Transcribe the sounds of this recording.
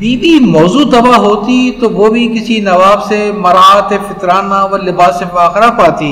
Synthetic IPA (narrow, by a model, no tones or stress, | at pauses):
biːbimɔːzuːd̪ɐbaːɦoːt̪it̪oʋoːbʱikɪsinɐʋaːbsemɐɾaːt̪efɪt̪ɾaːnaʋɐɾlɪbaːsefaːxɾapaːt̪iː